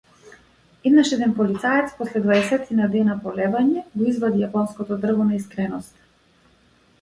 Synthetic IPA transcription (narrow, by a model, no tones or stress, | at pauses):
id̪naʃɛd̪ɛnpɔlit̪saɛt̪spɔslɛd̪vaɛsɛt̪ʰinad̪ɛnapɔlɛvaɲɛɡɔizvad̪ijapɔnskɔt̪ɔd̪r̩vɔnaiskɾɛnɔst̪